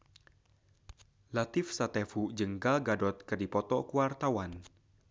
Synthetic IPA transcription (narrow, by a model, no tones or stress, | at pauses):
lat̪ɪfsat̪ɛfud͡ʒəŋɡalɡadɔt̪̚kərdipɔt̪ɔkuwart̪awan